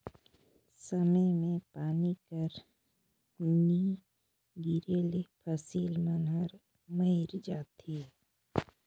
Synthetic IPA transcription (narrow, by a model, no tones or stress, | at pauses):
səməjmẽpaːnikəɾ | ni | ɡiɾeːlepʰəsiːlmənɦəɾ | məɪɾd͡ʒaːt̪i